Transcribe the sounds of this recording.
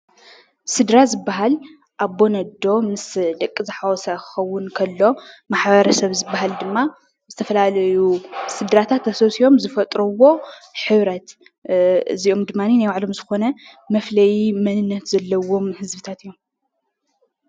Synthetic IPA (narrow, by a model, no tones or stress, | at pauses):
sɨd̪ɾazɨbːaɦal | ʔabːo̞nɐd̪ːo̞mɨsd̪ɐkʼːizɨħawɔsakʰɨ̥xɐwːʊnkʰɐlːo̞maħbɐɾɐsɐβzɨbːaɦald̪ɨmːa | zɨt̪ʰɐfɐlalɐjusɨd̪ɾat̪ʰat̪ɐsosio̞mzɨfɐt̪ʼɾɐwo̞ħɨβɾɐt̪ | ɨziʔomd̪ɨmːaninajwaʕlo̞mzɨxo̞nɐ | mɐflɐjimɐnɨnːɐt̪z̥ɐlːɐwo̞mhɨzbɨt̪ʰat̪ɨjːom